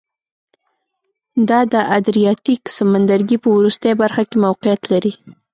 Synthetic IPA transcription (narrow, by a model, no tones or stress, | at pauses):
d̪ɑd̪əʔad̪ɾijɑt̪iksamand̪aɾɡipəwɾust̪əjabaɾxakemawqɪjat̪laɾi